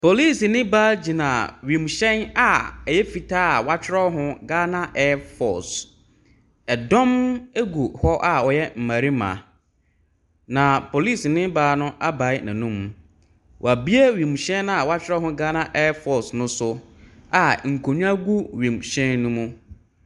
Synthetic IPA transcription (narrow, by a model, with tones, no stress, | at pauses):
pʰo˨li˦˨snɪ̃˦baː˦d͡ʑi˨nã˨ɥĩ˨m˨ɕɛ̃˦na˨ɛ˨jɛ˦fi˨tʰaː˦˨wa˦t͡ɕʰᶣɪ˦ɾɔ˦ɦʊ̃˦ɡaː˦nã˦ʔɛ˦fɔ̰˨s | ɛ˨dɔ̃˦me˦ɡu˨hɔ˦ʔa˨ɔ˨jɛ˦m̩˨mã˨ɾi˦mã̰˨ | nã˨pʰo˨li˦˨snɪ̃˦baː˨˦nʊ̃˦ʔa˦ba˨ɪ˦nã˨nũ˦m˨ | wʔa˨bi˦e˦wĩ˨m˨ɕɛ̃˦n˦a˨wa˦t͡ɕʰᶣɪ˦ɔ˦ɦʊ̃˦ɡa˦nã˦ʔɛ˦fɔ˨snʊ̃˦sʊ˦a˨ŋ̩˨kʰo˨ɲᶣ˦ã˦ɡu˦ɥĩ˨m˨ɕɛ̃˦nːʊ̃˦mʊ̃˦